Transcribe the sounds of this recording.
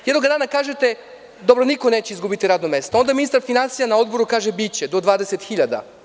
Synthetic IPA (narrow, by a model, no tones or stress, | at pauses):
jd̪noɡad̪aːnakaːʒet̪e | d̪obɾoniko̞net͡ɕeizɡubit̪iɾaːd̪nomest̪oo̞nd̪aminist̪aɾfinansijanao̞d̪bo̞ɾukaːʒebit͡ɕed̪o̞d̪ʋaːd̪eset̪xiʎad̪a̰